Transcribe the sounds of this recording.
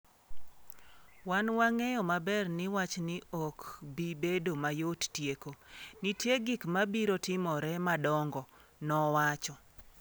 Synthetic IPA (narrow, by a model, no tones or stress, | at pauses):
wanwaŋejɔmabɛrnɪwat͡ʃnɪɔkbibedomajottjekonitjeɡikmabiɾotɪmɔɾɛmadɔŋɡɔ | nɔwat͡ʃɔ